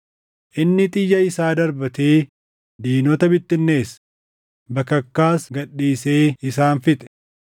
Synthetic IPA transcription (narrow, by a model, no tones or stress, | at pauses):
ʔɪnːɪt̪ʼɪjːɐɪsaːd̪ɐɾbɐt̪eː | d̪iːnɔt̪ɐbɪt̪ːɪnːe̞ːs | bɐkːɐkːaːsɡɐɗːiːse̞ːɪsaːnfɪt̪ʼɛ̥